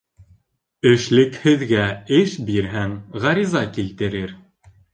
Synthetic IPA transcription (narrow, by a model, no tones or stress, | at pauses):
ɘ̆ʃlɘkhɘ̆ðɡæɘʃbiɾɦæŋʁɑɾizɑkilt̪ɘ̆ɾɘɾ